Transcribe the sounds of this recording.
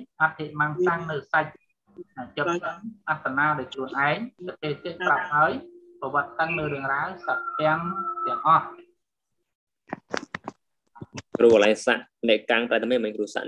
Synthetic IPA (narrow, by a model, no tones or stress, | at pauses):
ʔat̪̚ʰːeʔ̚maŋsaŋnɨwsac̚ | naŋt͡ɕop̚tənʔat̪ʰːanaːɗaɔjkʰruənʔaɛŋsat̪ːeːt̪iət̚prap̚haəjpɔʋŏət̪̚kəŋnɨwɾɨəŋraːsat̪̚ɛ̆əŋt̪ɛ̆əŋʔɑh | kruʋəlajsa̰ʔnɛʔkaŋpraːt̪̚ʰmiəmɨɲkruəsa̰ʔ